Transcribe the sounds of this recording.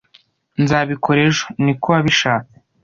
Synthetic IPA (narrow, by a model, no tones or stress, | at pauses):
nzaβikʰoɾeʒo̥nikoβaβiʃaːke